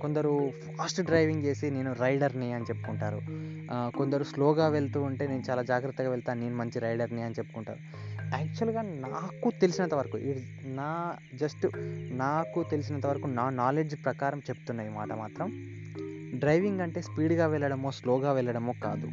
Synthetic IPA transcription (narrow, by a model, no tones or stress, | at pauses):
ko̞nd̪ɐɾupʰaaːsʈɖɾɐjʋiŋɡe̞ːsine̞ːnuɾɐjɖɐɾniɐnit͡ʃe̞pːu̥kuɳʈaːɾu | ko̞nd̪ɐɾuslɔːɡaːʋeɭt̪uːɐɳʈe̞ːne̞ːnut͡ʃaːlaːd͡ʒaːɡɾɐt̪ːɐɡaːʋɛɭt̪aːneːnumɐɲt͡ʃiɾɐjɖɐɾniɐnit͡ʃe̞pːu̥kuɳʈa̰ːɾu | aːk̚t͡ʃuɐlɡaːnaːkut̪e̞lisinɐnt̪ɐʋɐɾɐkṵʔiɽinaːd͡ʒɐsʈunaːkut̪e̞lis̬inɐnt̪ɐʋɐɾɐkunaːnaːle̞ːɖd͡ʒpɾɐkaːɾɐmt͡ʃe̞pu̥t̪unːaːjima̰ːʈɐmaːt̪ɾɐm | ɖɾɐjʋiŋɡɐɳʈe̞ːspiːɖɡaːʋɛɭːɐɽɐmo̞ːslɔːɡaːʋɛɭːɐɽɐmo̞ːka̰ːd̪u